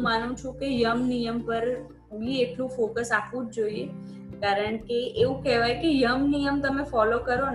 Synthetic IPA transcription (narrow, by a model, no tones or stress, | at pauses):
manũt͡ʃʰũkejəmnijəmpəɾ | ieʈlũfokəsapʋũd͡ʒd͡ʒoie | kaɾəɳkeʔeʋũkɛɦʋajkejəmnijəmt̪əmẽfɔlokəɾon